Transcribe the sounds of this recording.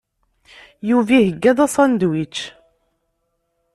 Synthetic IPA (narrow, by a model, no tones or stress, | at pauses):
juvihəɡːæðˤɑsˤɑnd̪wit͡ʃː